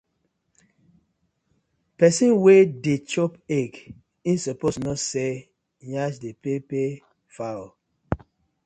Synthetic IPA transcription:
pɛsĩnwedet͡ʃɔpek | insɔposnɔtse | ɲaʃdepepe | fa

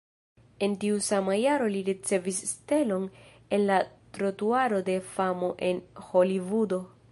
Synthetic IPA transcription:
e̞ntiusamajaɾo̞liɾit͡se̞visːte̞lo̞n | e̞nlatɾo̞tuaɾo̞de̞famo̞ʔe̞nho̞livudo̞

